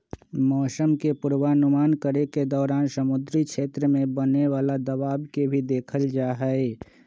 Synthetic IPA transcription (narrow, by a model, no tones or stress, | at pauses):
mɔːsəmkepʊɾwaːnʊmaːnkəɾeked̪ɔːɾaːnsəmʊd̪ɾikʃʰeːt̪ɾəmẽbəneʋaːlad̪əʋaːbkebʱid̪eːkʰəld͡ʒaːɦɛe